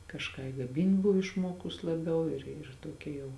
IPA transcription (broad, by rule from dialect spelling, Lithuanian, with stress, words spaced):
kɐʃˈkɑː ɪ ˈɡɑːmʲɪnt ˈbʊw ɪʃˈmuɔkʊs lˠɐˈbʲɛʊ ɪr ɪr ˈtuɔkʲɛ jɛʊ